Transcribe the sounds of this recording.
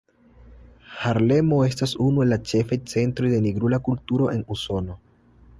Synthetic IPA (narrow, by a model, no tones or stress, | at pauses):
haɾle̞mo̞e̞stasunue̞lːat͡ʃe̞fajt͡se̞ntɾojde̞niɡɾulakultuɾo̞ʔe̞nuso̞no̞